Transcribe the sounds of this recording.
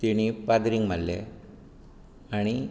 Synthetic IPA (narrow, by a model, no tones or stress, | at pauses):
t̪iɳipad̪ɾiŋmɐlːḛ | ɐɳi